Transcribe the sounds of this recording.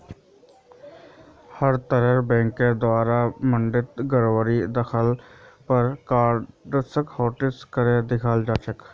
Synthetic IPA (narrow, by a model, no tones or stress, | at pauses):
həɾt̪əɾəɾbɛ̃ːŋkeːd̪ʊaːɾaːməɳɖɪt̪ɡəɾoːʋəɾiːd̪əkʰəlpəɾkaːɾɖsəkhoːʈɪskəɾeːd̪ɪkʰaːld͡ʒaːt͡ʃək